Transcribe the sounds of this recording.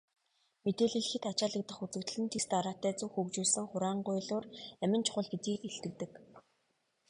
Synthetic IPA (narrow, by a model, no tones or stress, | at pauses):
met̪eːɮiːɮ̆xɘ̆t̪at͡ɕaːɮə̆k̚t̪ə̆χut͡sɘ̆kt̪̆ɮɘ̆nt̪ʰest̪aɾaːt̪æːt͡suwxukt͡ɕuːsɘ̆ŋχʊɾaːɴɢʊjɮʊːræmʲɪ̆nt͡ɕʰʊχʊ̆ɮɡet̪iːkeɬt̪ɘ̆k̚t̪ɘ̆k